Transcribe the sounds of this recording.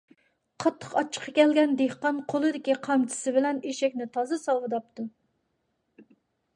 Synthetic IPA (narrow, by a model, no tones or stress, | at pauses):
qʰɑt̪ʰːə̥qɑt͡ʃʰːə̥qʰːɑkʲʰɛlɡʲɛnd̪ehqɑnqʰolˠɨd̪ɪkʲiqʰɑmt͡ʃʰɪ̥sɪbɪlɛniʃɛkʲnɪt̪ʰɑzɨsɑlˠwɨd̪ɑp̚t̪ʰu